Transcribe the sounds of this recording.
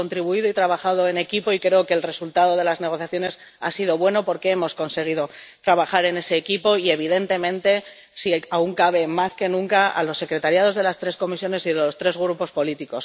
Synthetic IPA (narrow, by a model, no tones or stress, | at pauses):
ont̪ɾiβuiðoit̪ɾaβ̞axað̞o̞e̞ne̞kipo̞ikɾe̞oke̞ːlre̞sult̪að̞o̞ð̞e̞lazne̞ɣ̞o̞θjaθjo̞ne̞s | a̰siðo̞βwe̞no̞po̞ɾke̞emo̞sko̞nse̞ɣ̞iðo̞t̪ɾaβ̞axaɾe̞ne̞se̞ːkipo̞ie̞β̞iðe̞nt̪e̞mẽ̞nt̪e̞ | siauŋkaβe̞maske̞nũŋkaa̰lo̞sːe̞kɾe̞t̪aɾjað̞o̞zð̞e̞last̪ɾe̞sko̞misjo̞ne̞siðelost̪ɾe̞zɣ̞ɾupo̞spo̞lit̪iko̞s